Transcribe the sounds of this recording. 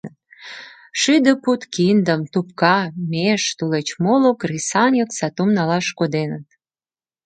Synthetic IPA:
ət̪̚ | ʃyd̪ə̆put̪kind̪əmt̪up̚kɑmeʃt̪ulet͡ɕmolokrisɑnʲəksɑt̪umnɑlɑʃkod̪enət̪

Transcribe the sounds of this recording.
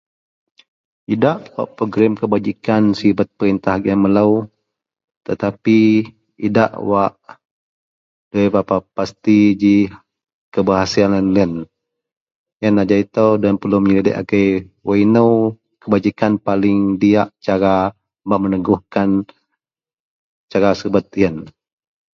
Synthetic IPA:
idaʔwa̰ʔpoɡɾɪmkəbad͡ʒikansibat̪̚pəɾint̪ahɡaməlaw | t̪ət̪api | ida̰ʔwaʔ | d̥uebapapast̪id͡ʒi | kəbaɦasianənlən | jənad͡ʒait̪owdanpəlumɲilidə̰ʔa̰kəjwainəw | kəbad͡ʒikanpalɪŋdiaʔt͡ʃaɾa | baʔmənəɡuhkan | t͡ʃaɾasibət̪̚iən

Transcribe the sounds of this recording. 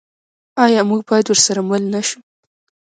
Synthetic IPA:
ɑjɑmuɡ̚bɑjad̪wəɾsaɾaməlnaʃu

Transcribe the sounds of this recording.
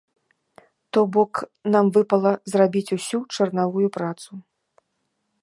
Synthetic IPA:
t̪ɔbɔknamvɨpɐlˠɐzrabʲit͡sʲusʲut͡ʂɐrnavujupɾat̪su

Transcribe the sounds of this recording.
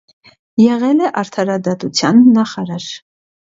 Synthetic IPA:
jɛʁɛlɛʔɑɾt̪ʰɑɾɑd̪ɑt̪ut͡sʰjɑnːɑχɑɾɑɾ

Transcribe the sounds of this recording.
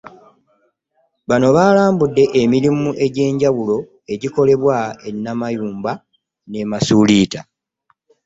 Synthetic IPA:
βano̞βaːlaːmbudːe̞ʔemiɾimuʔe̞ɟe̞ːɲɟaβulo̞ | e̞ɟiko̞le̞βwae̞nːamajuːmba | ne̞masuliːta

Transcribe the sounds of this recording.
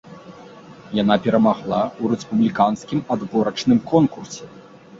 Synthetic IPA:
jan̪apʲɛɾɐmaɣlˠauɾɛspublʲikanskʲimad̪bɔɾɐt͡ʂnɨmkɔnkursʲɛ

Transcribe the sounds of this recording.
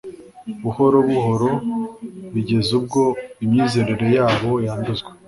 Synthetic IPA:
βuho̞ɾoβuɦo̞ɾo̞ | βiɟe̞zub̚ɡo̞imɲiːze̞ɾeɾe̞jaːβo̞jaːnduzɡwe

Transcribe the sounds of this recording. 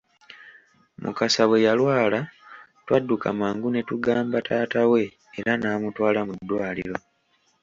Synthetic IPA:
mṵkasawe̞jalwaːla | twadːukʰa̰maːŋɡune̞tuɡaːmbatʰaːtawe̞ː | ɾanaːmutwaːlamudːwaːlḭɾo̞

